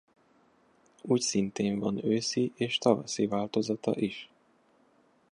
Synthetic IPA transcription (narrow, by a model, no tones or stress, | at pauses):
uːcsint̪eːɱvɒnøːsiʔeːʃt̪ɒvɒ̰sivaːlt̪ozɒt̪ɒ̰ʔiʃ